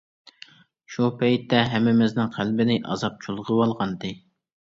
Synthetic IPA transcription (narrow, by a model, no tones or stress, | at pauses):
ʃupɛjt̪ːɛɦɛmːɪmɪznɪŋqʰælbɪnɪʔɑ̰zɑp̚t͡ʃʰulˠʁəwɑlˠʁɑnd̪ɨ